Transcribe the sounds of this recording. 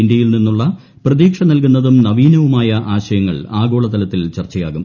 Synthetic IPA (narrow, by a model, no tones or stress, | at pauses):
ind̪jɐjilninːuɭːɐ | prɐðiːkʂɐnɐlk̬unːɐðumnɐʋiːnɐʋumaːjɐʔaːɕɐjɐŋːɐ̰ɭaːɡo̞ːɭɐt̪ɐlɐt̪ːilt͡ɕɐrt͡ɕːɐja̰ːɣum